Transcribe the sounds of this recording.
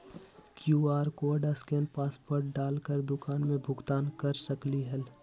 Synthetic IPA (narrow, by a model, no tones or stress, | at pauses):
kjuːaːɾkoɖəskenpaːspoːɾʈɖaːlkəɾd̪ʊkaːnmẽbʱʊɡt̪aːnkəɾsəkliɦɛl